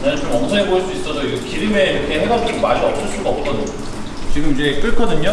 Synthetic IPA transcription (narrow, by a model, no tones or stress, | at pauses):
nat͡ɕomʌŋsʰʌŋeboiɭs͈uis͈ʌdoiɡkiɾime̞iɾʌkʰe̞ɦeɡʌnt͡ɕ͈omaɾiʌp̚s͈ɯɭs͈uɡaʌp̚t͈ʌnɯ | t͡ɕiɡɯmid͡ʑe̞k͈ɯɭkʰʌdɯɲo